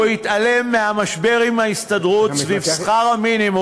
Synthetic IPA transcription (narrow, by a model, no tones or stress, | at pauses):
hit̪ale̞mːeamaʃbe̞ʁimaist̪adʁutsvivsχaʁaminimu